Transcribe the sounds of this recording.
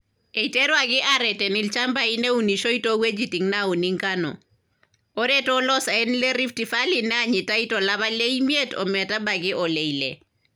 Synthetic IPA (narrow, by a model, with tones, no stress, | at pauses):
e˨i˨te˦ɾwa˨ɡɪ˦ʔaɾɛtɛ˨nilt͡ʃa˦mba˦i˦ne˦u˨ni˨ʃo˦i˦towe˦d͡ʒiti˨ŋnau˨niŋkanɔ̰˨ | ɔ˦ɾɛtɔː˦lɔ˦sa˨ɛ˦nle˦ɾi˦fti˨falinɛ˦a˦ɲi˨ta˦i˦tɔla˦βa˦le˦imje˦tɔ̰˨mɛ˨ta˦ba˨ɡɪ˦ʔɔle˨ilḛ